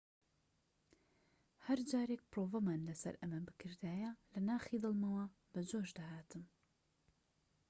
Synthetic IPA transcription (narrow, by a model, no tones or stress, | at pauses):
hɐɾd͡ʒaːɾek̚pɨɾoːvɐmaːnlɐsɐ̰ɾɐmɐbɨkʰɨɾd̪aːjɐlɐnaːxiːd̪ɨlˠmɐwɐ | bɐd͡ʒoːʒd̪ɐhaːt̪ʰɨm